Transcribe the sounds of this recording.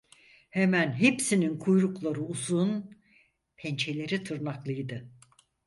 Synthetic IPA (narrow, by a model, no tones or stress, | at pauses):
hemænɦepsininkʰujɾuklˠaɾɯuzun | pʰɛnt͡ʃʰelʲe̞ɾit̪ʰɯɾnaklˠɯjd̪ɯ